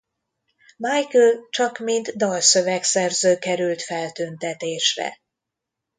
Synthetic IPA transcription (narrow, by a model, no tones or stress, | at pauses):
majkølt͡ʃɒkmind̪d̪ɒlsøvɛksɛrzøːkɛɾylt̪fɛlt̪ynt̪ɛt̪eːʃrɛ̰